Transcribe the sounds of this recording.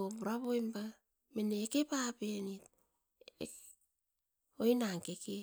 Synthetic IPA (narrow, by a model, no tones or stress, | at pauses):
obuɾaβojmba | meneːke̞papenit | ojnaŋke̞ke